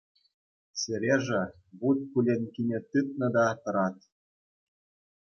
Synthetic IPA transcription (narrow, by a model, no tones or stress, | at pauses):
sʲɘ̆ɾʲeʐɘ̆ | but̪̚kulʲenʲkʲinʲĕt̪ɯt̪̚nɤ̆d̪ɑt̪ɤ̆ɾɑt̪